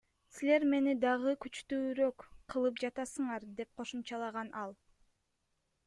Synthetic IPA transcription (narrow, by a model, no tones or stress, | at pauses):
sile̞ɾme̞nid̪ɑʁɯkyt͡ʃt̪yːɾøkqʰːɯlˠɯpd͡ʒɑt̪ɑsɯɴɑɾd̪e̞p̚qʰo̞ʃumt͡ʃɑlˠɑʁɑnʔɑlˠ